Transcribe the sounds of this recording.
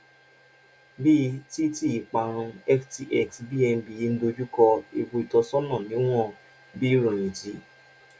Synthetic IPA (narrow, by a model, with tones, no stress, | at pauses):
bi˦˧˦ti˦ti˦˨i˨k͡pa˨ɾ̃ũ˧ɛ˦fti˨ʔɛ˦˨ksbi˦ɛ˧n˦bi˨ji˦n̩˦do˧d͡ʒu˦kɔ˧i˨bu˧i˨tɔ˧sɔ˦nɔ̃˦˨nĩ˨˦w̃ɔ̃˦ | bi˦ɾũ˨ĩ˨d͡ʒi˨˦